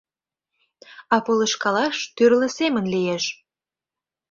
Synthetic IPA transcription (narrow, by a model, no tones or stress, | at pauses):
ɑpoləʃkɑlɑʃt̪yrlə̆semə̆nlijeʃ